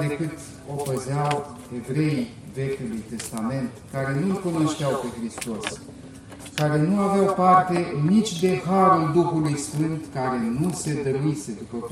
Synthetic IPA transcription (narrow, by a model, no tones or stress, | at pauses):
d̪e̞kɨt̪ | o̞pəzeaw | e̞vɾe̞ij | ve̞kʲulujt̪e̞st̪ame̞nt̪kaɾe̞nulkuno̞ʃt̪eawpe̞xɾist̪o̞s | kaɾe̞nuaveawpart̪e̞ɨnnit͡ʃʲd̪e̞xaɾuld̪uxulujsfɨnt̪kaɾe̞nuse̞d̪əɾuise̞d̪upə